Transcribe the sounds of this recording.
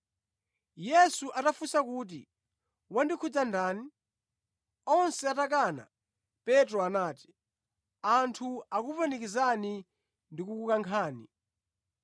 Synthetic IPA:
jɛsuʔatafusakuːt̬ḭ | wandikʰud͡zandaːni | ɔnsɛatak̬ana̰ | pɛtɾɔanaːti̥ | antʰuakupɛnikizani | ndikukukaŋkʰaːni

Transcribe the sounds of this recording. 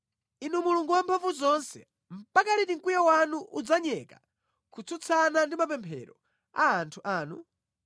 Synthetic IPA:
inumuluŋɡuwampʰaɱvuzɔnsɛ̰ | m̩pakalitiŋkujawanuʔud͡zaɲɛka̰ | kʰut͡sʰut͡sʰanandimapɛmpʰɛ̰ɾɔ̰ | aːntʰuʔaːnu

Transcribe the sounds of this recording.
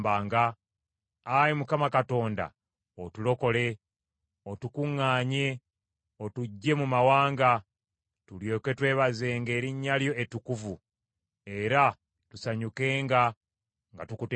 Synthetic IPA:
baːŋɡaː | jimukamakato̞ːnda̰ | otulo̞ko̞le̞ | o̞tukuŋːaːɲe̞ | o̞tuɟːe̞mumawaːŋɡa | tuljo̞ːke̞twe̞ːβaze̞ːŋɡe̞ːɾiɲːaljo̞ʔetukuvu | e̞ɾa | tusaɲuke̞ːŋɡa | ŋɡa̰tukut

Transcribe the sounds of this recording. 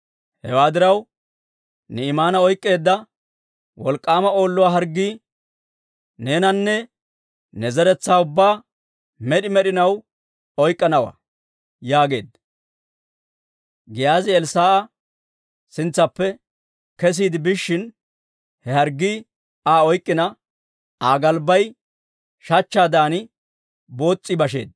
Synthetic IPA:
hɛwaːd̪ɪɾɐw | nɛɪmaːnɐɔjkʼːe̞ːd̪ːɐ | wɔlkʼːaːmɐo̞ːlːʊwaːɦɐɾɡːiː | ne̞ːnɐnːɛ | nɛzɛɾɛt͡sːaːʊbːaː | mɛɗɪmɛɗɪnɐw | ɔjkʼːɐnɐwa̰ | jaːɡe̞̰ːd̪ | ɡɪjaːzɪɛlsaːʔɐ | sɪnt͡sːɐpːɛ | kɛs̬iːd̪ɪbɪʃːɪn | hɛhɐɾɡːi | aːɔjkʼːɪnɐ | aːɡɐlbɐj | ʃɐt͡ʃːaːd̪aːnɪ | bo̞ːt͡sʼːɪbɐʃe̞̰ːd̪̚

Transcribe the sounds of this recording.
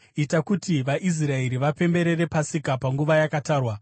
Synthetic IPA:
itakutiʋaʔis̬rae̞ɾiʋape̞mbe̞ɾe̞ɾe̞pasikapaŋɡuʋajakataːrwa

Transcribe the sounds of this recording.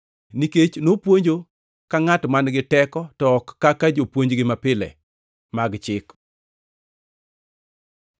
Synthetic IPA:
niket͡ʃnopwoɲd͡ʒo | kaŋatmanɡɪtɛkɔtɔkːakad͡ʒopwoɲd͡ʒɡɪmapɪlɛ̰ | maɡt͡ʃɪk

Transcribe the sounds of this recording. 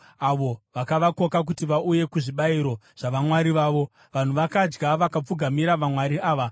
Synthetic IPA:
aʋo̞ʋakaʋako̞kak̬utiʋauje̞kuʐiɓaiɾo̞ | ʐ̥aʋamwaɾiʋaːʋo̞ | ʋan̤uʋakad͡ʒɡaʋakap͡fuɡʱamiɾaʋamwaɾiʔaːʋa

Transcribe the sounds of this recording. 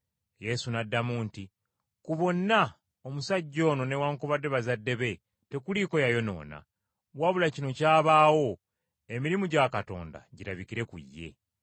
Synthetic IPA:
je̞sunadːamunti | kuβo̞nːa | omusaɟːo̞ːnone̞waːŋkoβade̞βazadːe̞βe̞ | te̞kuliːko̞jajo̞no̞̰ːna̰ | waβulacino̞caːβaːwo̞ | e̞miɾimuɟakato̞̰ːnda̰ɟiɾaβikiɾe̞kṵjːe̞̰

